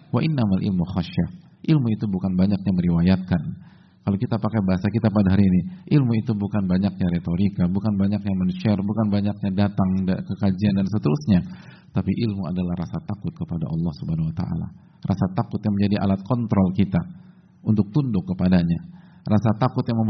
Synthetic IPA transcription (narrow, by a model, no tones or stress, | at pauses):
waʔɪnːamalʔɪ̰lmuxaʃa | ʔɪlmuit̪ubukanbaɲak̚ɲaməɾiwajat̪̚kan | kalokit̪apakabaɦasakit̪apadaɦaɾiiniʔɪlmuit̪ubukanbaɲak̚ɲaɾet̪oɾikabukanbaɲak̚ɲamənʃɛrbukanbaɲak̚ɲadat̪aŋkəkad͡ʒiandansət̪əɾusɲa | t̪apiʔɪlmua̰dalahrasat̪akʊt̪̚kəpada̰ʔɑlːɑhsubaɦanawat̪a̰ʔa̰la̰ | rʔasat̪akʊt̪̚ɲaŋməɲd͡ʒadiʔa̰lat̪̚kʰɔnt̪ɾɔlkit̪a | unt̪ʊk̚t̪undʊkːəpadaɲa | rasat̪akʊt̪̚jaŋməm